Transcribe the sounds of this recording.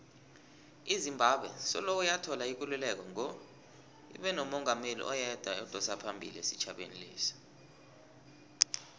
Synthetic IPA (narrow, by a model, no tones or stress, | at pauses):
izimbʱaɓwɛ̰sɔ̰lowujatʰɔlaik̬ululɛk̬ɔŋɔ | ḭɓɛnɔmɔŋʱamelḭʔɔjɛd̥ʱwaɔd̥ʱɔsapʰambʱḭliesi̥t͡ʃʰaɓḛnilḛːsi̥